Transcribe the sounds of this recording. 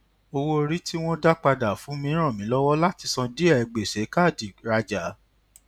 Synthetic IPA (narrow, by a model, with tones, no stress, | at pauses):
o˧wo˦o˧ɾi˦ti˦w̃ɔ̃˦da˦k͡pa˧da˨fũ˨˦mĩ˧˦ɾ̃ã˦˨mĩ˨˦lɔ˦wɔ˦la˦ti˧sɔ̃˧di˦ɛ˦˨ɛ˨ɡ͡be˨se˨˦ka˦˨di˨ɾa˧d͡ʒa˨˦